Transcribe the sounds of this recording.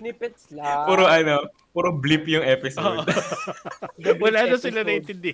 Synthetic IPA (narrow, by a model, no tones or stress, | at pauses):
puɾoʔɐnopuɾoblipjʊŋʔɛpɪsoːd̪ | wɐlaːnɐsɪlɐnɐɪnt̪ɪnd̪ɪ